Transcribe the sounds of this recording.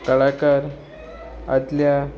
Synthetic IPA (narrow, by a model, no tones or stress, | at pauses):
kəɭakaɾ | at̪lja